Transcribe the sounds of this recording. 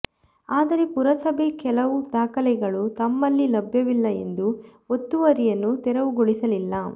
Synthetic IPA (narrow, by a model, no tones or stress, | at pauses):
aːd̪ɐɾe̞puɾɐsɐbʱekɛlɐʋud̪aːkɐlɛɡɐɭut̪ɐmːɐlːilɐbʱjɐʋilːɐe̞̰nd̪u | ot̪ːuʋɐɾijɐnːut̪ɛɾɐʋuɡoɭisɐlilːɐ